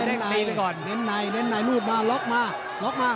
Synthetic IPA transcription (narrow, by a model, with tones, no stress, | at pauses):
e˧na˨˧˦kɔː˨˩nne˧˥nːa˨˧˩jne˧˥nːa˨˩jluː˥˩t̪̚maː˧lɔ˦˥k̚maː˧˩ | lɔ˦˥k̚maː˧˥˩